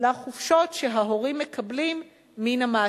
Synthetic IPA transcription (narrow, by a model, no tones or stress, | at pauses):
aχufʃo̞tʃeɦaɦoʁimːekʰablimː | inamaː